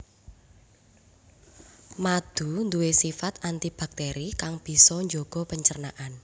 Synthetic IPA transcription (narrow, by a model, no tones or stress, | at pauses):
mad̪̥ṳnd̪uwesifat̪ant̪ib̥a̤k̚t̪ɛɾikaŋb̥i̤sɔɲd͡ʒoɡ̥ɔ̤pəɲt͡ʃərnaʔan